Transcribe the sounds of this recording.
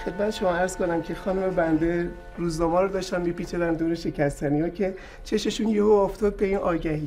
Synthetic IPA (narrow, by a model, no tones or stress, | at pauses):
xed̪̚mæt̪eʃo̞mɒæɾz̥ko̞næmcʰe̞xɒːnume̞bænd̪e̞ | ruːznɒːmɒːɾɔd̪ɒːʃt̪ænmipiːt͡ʃʰed̪ænd̪oɾeʃe̞cʰæst̪ænijɒcʰe̞ | t͡ʃʰe̞ʃe̞ʃunjeɦoːft̪ʰɒːd̪̚beinʔɒːɟæhiː